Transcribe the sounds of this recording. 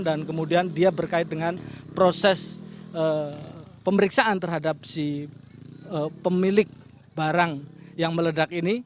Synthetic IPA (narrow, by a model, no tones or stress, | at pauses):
ndankəmudiandiabərkaɪt̪̚dəŋanpɾosɛsə | pəməɾiksaʔant̪ərɦadap̚si | əpəmilɪk̚ | baɾaŋjaŋmələdak̚ini